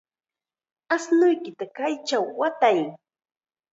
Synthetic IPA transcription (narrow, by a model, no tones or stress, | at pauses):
asnʊjkɪt̪akajt͡ʃawːat̪aj